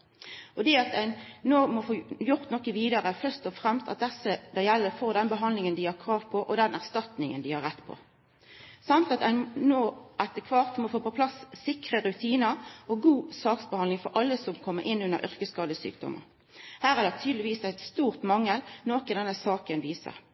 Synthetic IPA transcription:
ʔɔd̪ɛɑt̪æɪnnoːmɔfoːjʊʁt̪nɔkːəʋiːd̪əʁəfœʁst̪ɔfʁɛmst̪ɑt̪̚d̪ɛsəd̪ɑjɛlːəfoːʁd̪ɛnbəɦɑnd̪lɪŋənd̪ɪhɑkʰʁɑːʋpʰɔʔɔd̪ɛnæʁst̪ɑt̪nɪŋənd̪ɪhɑɾɛt̪ːpʰɔ̰ | sɑmt̪ɑt̪æɪnnoːʔɛt̪əkʰʋɑːʁt̪mɔfoːpɔpʰlɑsːɪkʁəɾʉt̪ʰiːnəɾɔɡuːsɑːksbəhɑnd̪lɪŋfɔɾʔɑlːəsɔmkʰɔmːəɾʔɪnːʉnːə̰ɾʔʏ̰ʁkəskɑːd̪əsy̰ːkd̪ɔ̰mə̰ʁ | hæːʁæʁd̪ɛt̪ʰyːd̪lɪʋiːsæɪt̪st̪uːʁt̪mɑŋːəlnoːkɑd̪ɛnːəsɑːkənʋiːsə̰ʁ

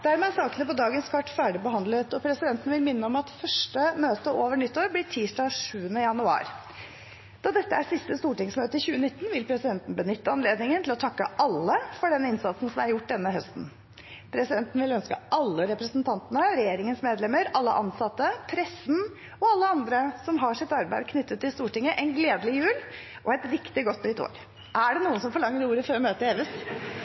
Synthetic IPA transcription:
d̪̥æɾmeːsɑːkənəpɔd̪ɑːɡənskʰɑʈːfæːɖɪbəɦɑnd̪lət̪ɔpʰɾɛsɪd̪ɛnt̪ənʋɪlmɪnːəɔmɑt̪fœʂʈəmøːt̪əʔoːʋəɳʏt̪ːoːɾblɪʈʰiːsʈɑːɡʂʉːənəjɑnʉɑ̰ːɾ | d̪̥ɑd̪ɛt̪ːəæʂɪst̪əst̪uːʈɪŋsmøːt̪əɪçʉːənɪt̪ːn̩ʋɪlpʰɾɛsɪd̪ɛnt̪n̩bənʏt̪ːəɑnleːd̪nɪŋənt̪ʰlɔt̪ʰɑkːə̰ʔɑlːəfɔɖɛnːɪnsɑt̪sn̩sɔmæɾjʊʈːd̪ɛnːəɦœst̪n | pʰɾɛsɪd̪ɛnt̪n̩ʋɪlœnskə̰ʔɑlːəɾɛpɾəsnt̪ʰɑnt̪ənəɾɛjeːɾɪŋənsmeːd̪lɛməɾɑlːə̰ʔɑnsɑt̪ːəpʰɾɛsn̩ | ɔɑlːəɑnd̪ɾəsɔmɦɑʂɪt̪ːɑɾbæɪd̪̚kʰnʏt̪ːət̪ʰːɪlst̪uːʈɪŋːəʔɛɪnɡleːd̪əlɪjʉːl | ʔɔɛt̪ɾɪkt̪ɪɡɔt̪ːʏt̪o̰ːɾ | ʔæɖɛnuːənsɔmfɔɭɑŋːəɾuːɾəføːɾmøːt̪əeːʋɪs

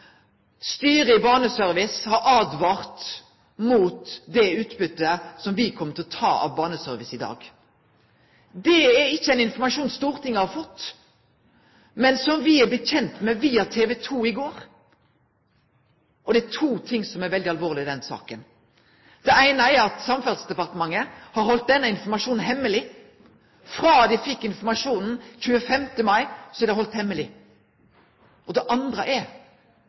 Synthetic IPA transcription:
st̪yːɾəɪbɑːnəsœɾʋɪshɑɾʔɑːd̪ʋɑːʁt̪ | muːt̪d̪ɛʉːt̪bʏt̪ːəsɔmʋɪkʰɔmːət̪ʰɪlɔt̪ʰɑ̰ːʔɑ̰ʋbɑːnəsœɾʋɪsɪd̪ɑ̰ːɡ | d̪ɛɛɾɪçːəɛɪnɪnfɔɾmɑʂuːnst̪uːɾt̪ɪŋːɑhɑɾfɔt̪ː | mɛnsɔmʋɪɛbəçɛnt̪mɛʋiːɑt̪ʰeːʋɛt̪ʰuːɪɡoːɾ | ʔɔd̪ɛæt̪ʰuːt̪ʰɪŋsɔmɛɾʋɛld̪ɪɑlʋoːʁlɪd̪ɛnsɑ̰ːkən | d̪̥ɛæɪnəɛɾɑt̪sɑmfɑlsd̪ɛpɑʁt̪əmɑŋːəhɑɾhɔlt̪̚d̪ɛnːəɪnfɔmɑʂuːnn̩ɦɛmːəlɪ | fʁɑːd̪ɛfɪkːɪnfɔmɑʂuːnn̩çʉːəfɛmt̪əmɑɪsɔd̪ɛɑɾhɔlt̪hɛmːəlɪ | ʔɔd̪ɛʔɑnd̪ɾəʔɛ

